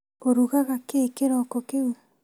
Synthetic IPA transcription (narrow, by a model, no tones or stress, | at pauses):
oɾuɣaɣakeːkeɾokokewe